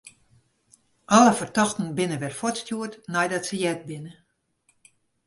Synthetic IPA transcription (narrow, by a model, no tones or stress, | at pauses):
ʔɔləfərtɔxtn̩bɪnəʋɛrfɔtstjuətnɛjdɔtsəjɛt̚bɪnə